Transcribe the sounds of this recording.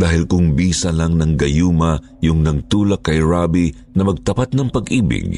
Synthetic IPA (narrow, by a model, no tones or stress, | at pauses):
d̪̥aːhɪlkʊŋbiːsɐlaŋnɐŋɡɐjuːmɐ | jʊŋnɐɡ̚t̪uːlɐkːɐjɹaːbi | nɐmɐɡ̚t̪ɐpat̪̚nɐŋpɐɡʔiːbɪ̰ɡ